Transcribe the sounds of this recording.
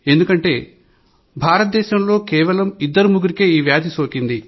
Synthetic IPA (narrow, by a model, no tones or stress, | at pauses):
e̞nd̪ukɐɳʈe̞ː | bʱaːɾɐt̪̚d̪ɛːʃɐmlo̞ːkɛːʋɐlɐmid̪ːɐɾumuɡuɾikeːiːʋjaːd̪isoːkind̪i